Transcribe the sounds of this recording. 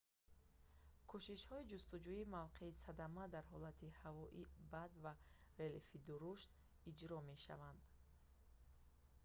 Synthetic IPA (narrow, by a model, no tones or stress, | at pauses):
kʰuʃiʃhɔid͡ʒust̪ud͡ʒuimavqʰe̞isad̪amad̪aɾɦɔlat̪ʰihavɔʔibad̪vare̞lefid̪uɾuʃt̪ | id͡ʒɾɔme̞ʃa̰vand̪